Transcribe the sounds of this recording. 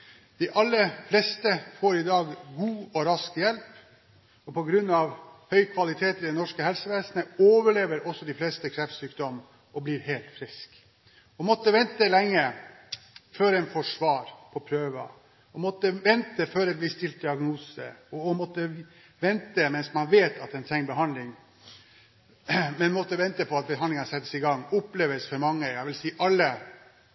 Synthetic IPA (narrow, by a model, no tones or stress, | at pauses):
d̪̥ɪʔɑlːəflɛst̪əfoːɾɪd̪ɑːɡɡuːɔɾɑskjɛlp | ɔpɔɡɾʉnːɑʋhœʏkʰʋɑlɪt̪ʰeːt̪ɪd̪ɛnɔʂkəɦɛlsəʋeːsnəoːʋəɭeːʋəɾɔsːɔd̪ɪflɛst̪əkʰɾɛft̪syːkd̪ɔm | ɔbliːɾheːlt̪fɾɪsk | ɔmɔt̪ːəʋɛnt̪əlɛŋːə | føːɾɛnfɔʂʋɑːɾpʰɔpʰɾøːʋə | ɔmɔt̪ːəʋɛnt̪əføːɾɛt̪̚blɪst̪ɪlt̪̚d̪ɪɑɡnuːsə̰ɔɔmɔt̪ːə | ʋɛnt̪əmɛnsmɑnʋeːt̪ʰɑt̪ɛnt̪ʰɛŋbəɦɑnlɪŋ | mɛnmɔt̪ːəʋɛnt̪əpʰɔɑt̪̚bəɦɑnlɪŋɑnəsɛt̪ːəsɪɡɑŋːʊpleːʋəsfɔɾmɑŋːəjɑæɪʋɪlsiːʔɑlːə